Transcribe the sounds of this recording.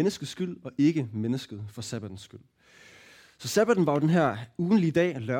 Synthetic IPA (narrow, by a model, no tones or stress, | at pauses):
enəsɡ̥ð̩ˠsɡ̥yl̰ɒ̽ʔe̝ɡ̥əmenəsɡ̥əð̞̩ˠfɒ̽sæb̥æd̥n̩sːɡ̥yl̰ | sɒ̽sæb̥æd̥n̩ʋɑ̈jo̝d̥enɦæɐ̰uːn̩lid̥ɛ̰ːlɶ